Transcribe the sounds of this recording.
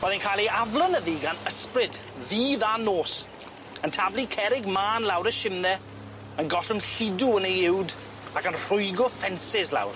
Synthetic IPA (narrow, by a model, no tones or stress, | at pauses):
b̥oːðankʰaːlˠiavlˠənəðiɡanəsprɪd | ðiːðanoːs | əntʰavlˠikʰɛɾɪɡmaːnlˠawɾəʃɪmðɛ | ənɡɔɬʊmɬɪduəneɪwd | akənr̥ʊɨɡɔfɛnsɪsla̰wr